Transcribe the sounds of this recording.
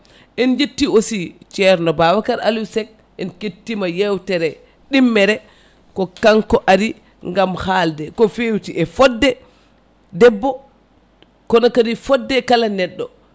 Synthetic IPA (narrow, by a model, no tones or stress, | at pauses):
ʔɛnd͡ʒetːiosit͡ʃɛɾnɔbawakaɾa̰lusɛk̚ | ɛnketːimajewtɛɾɛ | ɗimːɛɾɛ | kɔkaŋkɔʔaɾi | ŋɡamhaːldɛkɔfewtiʔɛfɔdːɛ | dɛbːɔ | kɔnɔkadifɔdːɛkalanɛɗːɔ